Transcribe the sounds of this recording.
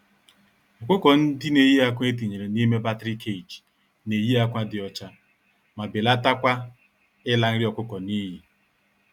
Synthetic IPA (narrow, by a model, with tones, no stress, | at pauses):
ɔ˨kʷʊ˦kɔ˨n̩˦dɪ˦ne˨ji˦a˦kʷe˦t̬i˨ɲe˨ɾe˨ni˦me˦ba˦tɾi˦kʰe˦˨d͡ʒ | ne˨ji˦a˦kʷa˦dɪ˨ɔ˨t͡ʃa˦ | ma˨bɪ˨la˦ta˦kʷa˦ | ɪ˦la˨˦n̩˦ɾɪ˦ɔ˨kʷʊ˦kɔ˨ni˦ɦi˨